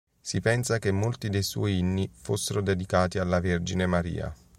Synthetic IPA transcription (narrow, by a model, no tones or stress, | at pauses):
sipɛnsakemːolt̪id̪ejswɔ̰jinːifosːeɾod̪ed̪ikaːt̪ialːaverd͡ʒinemaɾḭːa̰